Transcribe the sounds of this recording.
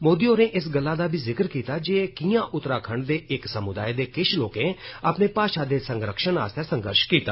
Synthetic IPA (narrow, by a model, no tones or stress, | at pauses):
moːd̪ioːɾẽːʔɪsɡəlːaːd̪aːbʱiːzɪkəɾkiːt̪aːd͡ʒeːkiːjãːʔʊt̪ɾaːkʰəɳɖd̪eːʔɪksəmʊd̪aːed̪eːkɪʃloːkẽːəpneːpaːʃaːd̪eːsəŋɡɾəkʃəna̰ːst̪ʰesəŋɡə̰ɾʃkiːt̪a̰ː